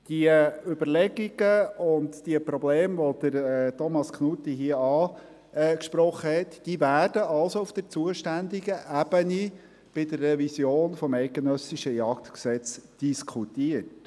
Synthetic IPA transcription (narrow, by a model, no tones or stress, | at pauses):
d̥iəʏbərlɛɡiɡ̥əʊntd̥iəpɾɔbleːmʋod̥̪əɾɛtɔmɑsknutːiɦiəɑː | ɛːkʃpɾɔχːəhɛtd̥iːvæːɾdəʔɑlsoʊfd̥əɾt͡suəʃtænd̪iɡəʔæbəni | b̥ɪdərːɛvisjoːnfɔmɛɪt̚ɡ̥enœsiʃəjɑkt̪ksɛt͡sd̥iskʰutiət